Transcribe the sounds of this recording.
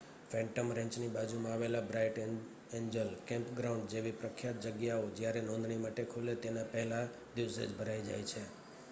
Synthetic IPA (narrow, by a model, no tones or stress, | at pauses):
fɛ̃ɳʈəmɾɛ̃ɲt͡ʃnibad͡ʒumãaʋelabɾajʈ | eɲd͡ʒəlkɛ̃mpɡɾaʊ̃ɳɖd͡ʒeʋipɾəkʰjat̪̚d͡ʒəɡjaod͡ʒjaɾenɔ̃nd̪ɳimaʈekʰulet̪enapəɦɛla | d̪iʋsḛd͡ʒbʱəɾaid͡ʒa̰jt͡ʃʰe